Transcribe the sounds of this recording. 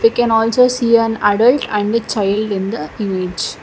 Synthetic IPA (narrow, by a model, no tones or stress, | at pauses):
ʋikɛ̃nɔːlsoːsiːæ̃naɖəlʈæ̃ɳɖt͡ʃaɪlɖɪ̃nd̪əɪ̃ŋed͡ʒ